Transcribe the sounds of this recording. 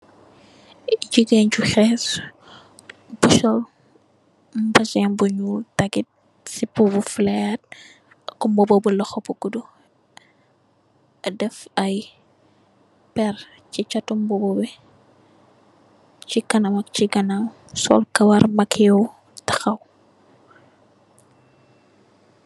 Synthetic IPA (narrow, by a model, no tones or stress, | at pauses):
ɟiɡeɲt͡ʃuxɛːs | buʃɔl | mbɐzɛmbuɲutɐɡit̚ | sipubuflɐjat̚ | kumbɔbɔbulɐxɔpuɡudu | ɐdɛfɐj | pɛr | cit͡ʃɐtumbɔbɔbɛ | t͡ʃikɐnɐmɐk̚t͡ʃiɡɐnam | sɔ̰lkɐwɐɾmɐkʰɛw | tɐ̥xɐw